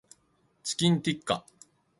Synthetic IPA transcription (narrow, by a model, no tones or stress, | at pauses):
t͡sɨ̥kʲĩnt̪ʲikːa̰